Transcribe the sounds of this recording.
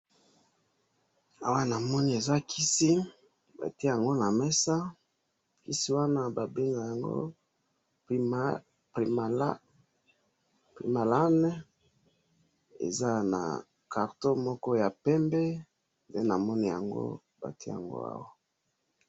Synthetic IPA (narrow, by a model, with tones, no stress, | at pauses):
a˨wa˦na˨mɔ˦ni˦e˨za˦kʰi˦si˦ | ba̰˨ti˦˨a˨ŋɡo˦na˨mɛ˦sa˦ | ki˦si˦wa˦na˦ba˨be˦ŋɡa˨ja˨ŋɡo̰˦ | pi˨m˨˦ | pḭ˨ma˨la˦nɛ˦ | ḛ˨za˦na̰˨ | ka˨ʁto˦mɔ˦kɔ˦ja˨pɛ˦mbɛ˦ | nde˦na˨mɔ˦ni˦ja̰˨ŋɡo̰˦ | ba̰˨ti˦ja̰˨ŋɡo̰˦a̰˦wa˦